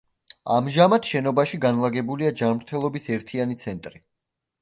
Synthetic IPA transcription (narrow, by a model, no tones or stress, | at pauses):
a̰mʒamat̪ʰʃɛnɔbaʃiɡanlˠaɡɛbuliad͡ʒanmɾt̪ʰɛlˠɔbisɛɾt̪ʰianit̪sʰɛnt̪ʼɾi